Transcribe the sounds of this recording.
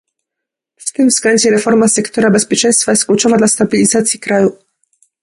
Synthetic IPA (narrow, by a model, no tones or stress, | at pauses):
ft̪ɘmfsklɛɲd͡ʑɛɾɛfɔɾmasɛkt̪ɔɾabɛspʲjɛt͡ʂɛj̃st̪fajɛst̪̚klʲut͡ʂɔvad̪last̪abʲilʲizat̪sʲjikɾaju